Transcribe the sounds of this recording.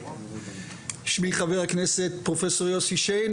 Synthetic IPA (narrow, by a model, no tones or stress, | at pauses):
ʃmiχaveʁhakneset̪̚pʁofesoʁjoshiʃen